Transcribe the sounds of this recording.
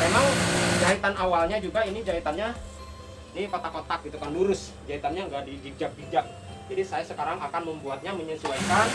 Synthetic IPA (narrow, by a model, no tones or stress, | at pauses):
memaŋd͡ʒait̪anawalɲad͡ʒuɡainid͡ʒait̪anɲa | inipat̪akot̪ak̚ɡit̪ukanluɾʊs | d͡ʒait̪anɲaŋɡaʔdid͡ʒid͡ʒak̚bid͡ʒak̚ | d͡ʒadisajasəkaɾaŋakanməmbuat̪̚ɲaməɲəsuaikan